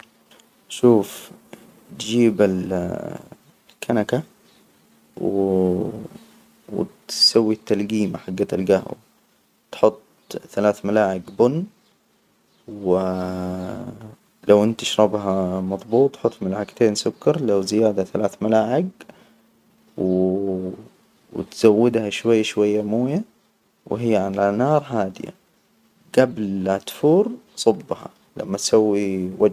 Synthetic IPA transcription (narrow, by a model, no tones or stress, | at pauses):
ʃuːf | t̪d͡ʒiːbɪl | lkʰːanaka | w | w̰t̪sawːit̪ːalɡiːmaħaɡːat̪alɡaha̰ | t̪ħʊt̪ˤ | θalaːθmalaːʕɪɡbʊnː | wɪ | lʔawʔɪnt̪aʃɾˤɑbɦamɑðˤbuːt̪ˤħʊt̪ˤːmalaːʕɪɡt̪eːnsʊkːɑɾˤlawzɪjaːd̪aθalaːθmalaːʕɪɡ | w | wt̪z̥awːɪd̪haʃwajːaʃwajːamuːja | wɦɪjːʕalanɑːɾˤɦaːd̪ɪja̰ | ɡ̥ablʔat̪fuːɾsˤɑbːhɑ̰ | la̰mːat̪sawːiwa